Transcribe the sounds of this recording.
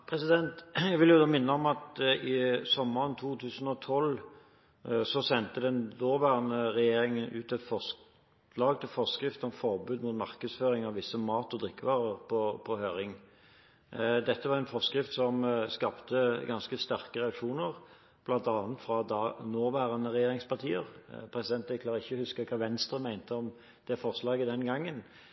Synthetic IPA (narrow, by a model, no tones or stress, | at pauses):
pʰʁɛsɪd̪ɛnt̪jæɡʋɪljʊd̪oːmɪnːəɔmɑt̪ɪsɔmːəʁənt̪ʰuːt̪ʰʉːsn̩ɔt̪ʰɔl | sɔsɛnt̪əd̪ɛnd̪oːʁʋæːʁnəʁɛjeːɾɪŋənʉ̰ːt̪ɛt̪fɔs | lɑːɡt̪ɪlfɔskʁɪft̪ɔmfɔʁbʉːd̪mʊt̪mɑʁkəd̪sføːʁɪŋɑʋʋɪsːəmɑːt̪ɔd̪ʁɪkːəʋɑːʁəʁpʰɔpʰɔhøːɾɪŋ | d̪ɛt̪ːəʋɑʁɛnfɔʁskʁɪft̪sɔmskɑːpt̪əɡɑnskəst̪æʁkəʁɛɑkʂuːnəʁ | b̥lɑnt̪ɑnənt̪fɾɑd̪ɑnoːʋæːʁənəʁɛjeːʁɪŋspɑʁt̪ʰiːəʁpʰɾɛsɪd̪ɛnt̪ɪkʰlɑːʁəɪçːəhʉskəkʰɑːʋɛnst̪ʁəmæɪnt̪əɔm | d̪̥ɛfɔʁslɑːɡəd̪ɛnɡɑŋːən